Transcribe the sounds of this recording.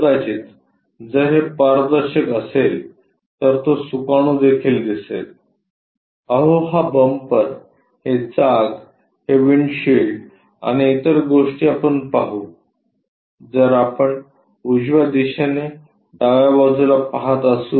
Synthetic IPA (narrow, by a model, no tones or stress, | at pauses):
ɾad͡ʑiːt̪ | d͡zəɦepaɾd̪əɾɕəkəsel | t̪əɾt̪osukaɽ̃ũd̪ekʰiːld̪isḛl | əɦoɦabəmpəɾ | het͡saɡ | heʋiɳɕeɭʈ | a̰ɽ̃iːt̪əɾɡoʂʈiːapəɳpaɦu | d͡zəɾapəɳ | ud͡ʑʋad̪iɕene | ɖaʋjaʋad͡zulapaɦat̪əsu